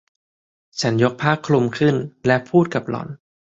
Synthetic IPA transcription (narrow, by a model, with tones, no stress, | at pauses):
t͡ɕʰa˦˥njo˦˥k̚pʰaː˥˩kʰːlu˧mkʰɯ˥˩nlɛ˦˥pʰuː˥˩t̪̚ka˨˩p̚lɔ̰˨˩˦n